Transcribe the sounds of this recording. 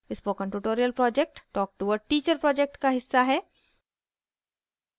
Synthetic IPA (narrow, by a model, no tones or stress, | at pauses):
ɪspoːkə̃ɳʈuːʈoːɾijəlpɾɔːd͡ʒek̚ʈʈɔːk̚ʈuʋəɖ̚ʈiːt͡ʃəɾpɾɔːd͡ʒɛk̚ʈkaɦɪsːaɦɛː